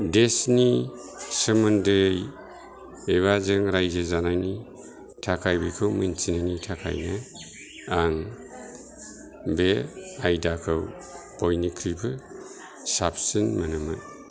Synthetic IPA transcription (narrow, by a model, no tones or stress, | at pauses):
desni | sɯmɯndej | eβazɯŋɾajzezanajni | tʰakʰajbikʰɯwmɯ̰jnt͡ʃinanitʰakʰa̰jna | aŋ | beajdakʰɯw | b̥ɔjnikʰɾibʰɯ | sapsɯnmanɯmɯ̰